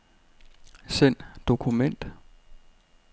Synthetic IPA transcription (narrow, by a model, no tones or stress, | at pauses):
sen̰d̥o̝kʰumen̰d̥